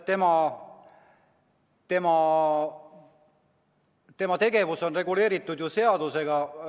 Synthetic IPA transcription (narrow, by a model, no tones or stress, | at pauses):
t̪e̞mɑ | t̪e̞mɑ | t̪e̞mɑt̪e̞ɡe̞vuso̞nre̞ɡule̞ːɾit̪ːˑud̪̥juse̞ɑd̪use̞ɡ̥ɑ